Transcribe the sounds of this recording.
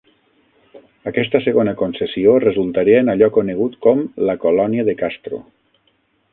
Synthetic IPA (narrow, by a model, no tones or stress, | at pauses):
akɛst̪əseɣonəkonsesiorəzulˠt̪aɾiəenaʎɔkoneɣ̞ut̪kɔmləkolɔniəðekast̪ɾo̰